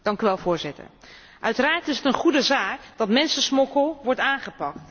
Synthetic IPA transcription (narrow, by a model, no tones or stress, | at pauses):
d̥ɑŋkyʋɛlˠvʊːɹzɪtə̰ɹ | ʔœɥtəɾaːɹtɪsətənχudəzaːkd̥ɑtmɛnsəsmɔkəlˠʋɔɹtaːnχəpɑkt